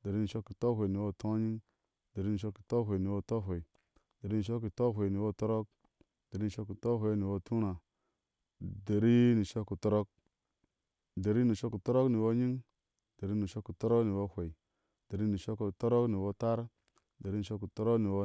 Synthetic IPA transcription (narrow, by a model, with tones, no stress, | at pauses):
de˨ɾi˦ni˨ʃo˦kːi˨to˦ɦʷe˨ni˨wo˦˨to˦ɲi˦ŋ | de˨ɾi˦ni˨ʃo˦kːi̥˨to˦ɦʷe˨ni˨wo˦to˦ɦʷe˨i˨ | de˨ɾi˦ni˨ʃo˦k̬ːi˨to˦ɦʷe˨ni˨wo˦to˦ɾo˦k̚ | de˨ɾi˦ni˨ʃo˦kːi˨to˦ɦʷe˨˦i˦ni˨wo˦tʰu˦ɾa˨ | de˨ɾi˦ni˨ʃo˦kːu˨to˦ɾo˦k̚ | de˨ɾi˦ni˨ʃo˦kːi˨to˦ɾo˦kni˨wo˦ɲi˦ŋ | de˨ɾi˦ni˨ʃo˦kːi˨to˦ɾo˦kni˨wo˦hʷe˨i˨ | de˨ɾi˦ni˨ʃo˦kːu˨to˦ɾo˦kni˨wo˦ta˦ɾ | de˨ɾi˦ni˨o˦kːi˨to˦ɾo˦kni˨wo˦